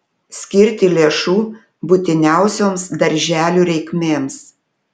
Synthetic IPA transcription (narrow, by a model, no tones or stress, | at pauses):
sʲkʲɪɾʲt̪ʲɪlʲeɛʃuː | buːt̪ʲɪnʲæˑʊsʲoːmsd̪ɐɾʲʒʲæːlʲuːɾʲɛɪkmʲeːms